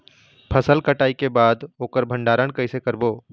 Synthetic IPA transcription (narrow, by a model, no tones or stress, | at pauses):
pʰəsəlkəʈaːikebaːd̪oːkəɾbʱəɳɖaːɾəɳkəɪsekəɾbo